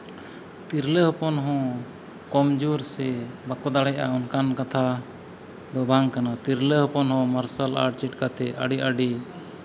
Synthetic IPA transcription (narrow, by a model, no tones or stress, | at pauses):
t̪iɾləɦɔpɔnɦɔ̃ | kɔmd͡ʒuɾsɛbakɔd̪aɽɛjʔaɔnkankat̪ʰa | d̪ɔbaŋkanat̪iɾləɦɔpɔnɦɔ̃maɾsala̰ɾʈ̚t͡ʃɛʈkat̪ɛa̰ɖiʔaɖi